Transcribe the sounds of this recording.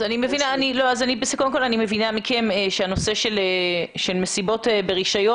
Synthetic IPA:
zanimevinaːnilo̞azanibeskodemkolanime̞vinamikʰemeʃehano̞se̞ʃeleʃelmesibo̞tebe̞ʁiʃajo

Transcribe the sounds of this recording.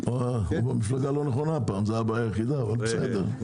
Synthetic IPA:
oubamiflaɡalo̞neχonapaːmzejabaːjajeχid̪aːvalbesed̪eʁ

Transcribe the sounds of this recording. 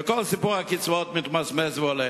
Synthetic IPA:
kɔlsipuʁakit͡svɔt̪mit̪masmɛzvɔlɛ

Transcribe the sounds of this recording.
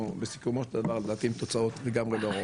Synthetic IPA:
besi̥kumoʃd̪avaʁled̪aːt̪imt̪o̞t͡saot̪leɡamʁeloo

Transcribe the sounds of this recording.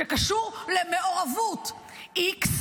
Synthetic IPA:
ekaʃuʁleme̞o̞ʁavut | iks

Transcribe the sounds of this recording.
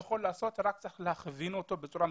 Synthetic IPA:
χo̞lːaːso̞tʁak̚t͡seeχlehaχvino̞t̪o̞bet͡suʁa

